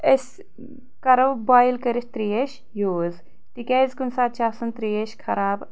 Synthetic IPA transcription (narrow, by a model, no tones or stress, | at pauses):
esʲ | kɐɾɐwbaːjilkɐɾisʲt̪ɾiːeʃ | joːz | t̪ikʲeːzkunsaːt̪̚t͡ʃaːsɐnt̪ɾiːjeʃkʰɐɾaːb